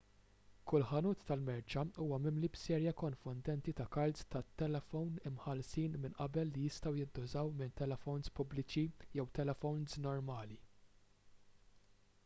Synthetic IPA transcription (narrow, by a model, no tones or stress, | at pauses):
kʊlħɐnuːt̪ːɐlmɛɾt͡ʃɐuːwɐmɪmlibsɛːɾjɐkɔnfʊnd̪ɛnt̪it̪ɐkɐlzt̪ɐt̪ːɛlɛfɔwnɪmħɐlsiːnmɪnʔɐbɛlːijɪst̪ɐwjɪd̪ːʊzɐwmɪnt̪ɛlɛfɔwnspʊblɪt͡ʃijɛwt̪ɛlɛfɔwnsnɔɾmɐːli